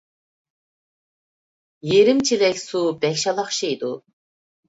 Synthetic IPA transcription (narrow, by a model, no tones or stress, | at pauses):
jeɾimt͡ʃʰilɛkʲsubɛkʲʃɑlˠɑχʃijd̪u